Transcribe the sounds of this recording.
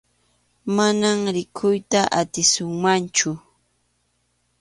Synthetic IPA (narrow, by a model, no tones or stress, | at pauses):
manamɾɪkʰʊjt̪aʔat̪ɪsʊŋmant͡ʃʊ